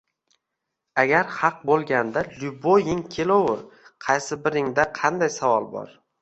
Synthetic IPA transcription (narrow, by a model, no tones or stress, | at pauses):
aɡʲaɾhɑq̚bolˠɡʲand̪alʲʊbojɪŋkʲʰelowʊɾqʰɑjsɪbɪɾɪŋd̪aqʰɑnd̪ajsavɒlˠbɒ̰ɾ